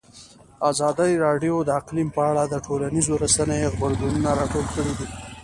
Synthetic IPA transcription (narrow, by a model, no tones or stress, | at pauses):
azɑd̪əjɾɑɖijod̪əaqlimpəaɽad̪əʈolanizoɾasanajeɣbəɾɡununaɾɑʈolkəɽid̪i